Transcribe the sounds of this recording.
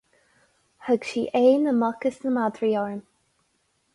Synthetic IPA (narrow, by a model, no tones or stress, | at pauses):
həɡʃiːʔeːnəmɔkəsnəmad̪ɹiɔɹəm